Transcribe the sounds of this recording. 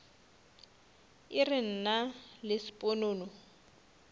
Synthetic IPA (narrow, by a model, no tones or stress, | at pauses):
ɪrɪn̩nalɪsi̥pʼonoːnɔ